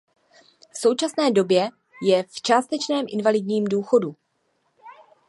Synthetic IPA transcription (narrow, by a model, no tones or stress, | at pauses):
fso̞wt͡ʃasnɛːdo̞bjɛ | jɛft͡ʃaːst̪ɛt͡ʃnɛːmʔɪnvalɪdɲiːmduːxo̞du